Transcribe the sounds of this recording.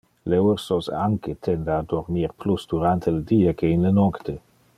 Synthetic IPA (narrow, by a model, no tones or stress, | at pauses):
lewrsosa̰ŋket̪ʰɛnd̪ad̪oɾmiɾplusd̪uɾant̪ʰeled̪iːakeinlənɔkt̪e